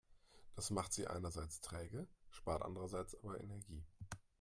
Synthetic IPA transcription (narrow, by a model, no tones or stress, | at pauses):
d̥asmaχtz̥iːʔa̰ɪnɐzaɪt͡stʁ̥ɛːɡəʃpaːɐtʔa̰ndəʁɐzaɪt͡sʔaːbɐʔɛ̰nɛɐɡiː